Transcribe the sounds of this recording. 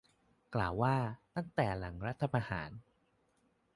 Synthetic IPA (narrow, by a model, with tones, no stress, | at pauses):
klaː˨˩wːaː˥˩t̪a˥˩ŋt̪ɛː˨˩la˩˦ŋɾa˦˥t̪ʰːa˧pa˧ha̰ː˩˦n